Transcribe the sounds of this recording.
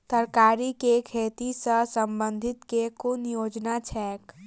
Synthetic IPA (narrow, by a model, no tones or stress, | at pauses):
səɾkaːɾikekʰeːt̪isəsə̃mbə̃nd̪ʱɪt̪kekʊnjoːd͡ʒnat͡ʃʰɛːk